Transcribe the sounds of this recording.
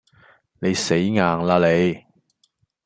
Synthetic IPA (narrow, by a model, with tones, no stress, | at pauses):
ne˨˧jse˨˥jŋaː˨ŋlaː˧le˨˧j